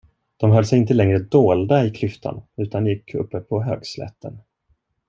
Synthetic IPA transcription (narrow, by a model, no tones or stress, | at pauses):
d̪̥ɔmɦœlːsɛjɪnt̪əlɛŋɾəd̪oːld̪aɪkʰlʏft̪ʰa̰nʉ̟ːt̪ʰanjɪkʰːɵ̰pːəpʰɔɦø̰ːɡslɛ̰t̪ːən